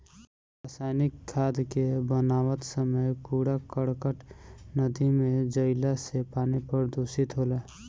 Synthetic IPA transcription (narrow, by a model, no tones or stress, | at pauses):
ɾaːsaːjnɪkʰːaːd̪kebənaːwət̪səməjpuːɽakəɽkəʈnəd̪ʱimẽd͡ʒəɪlasepaːnepəɾd̪ʱoːsɪt̪ɦoːlaː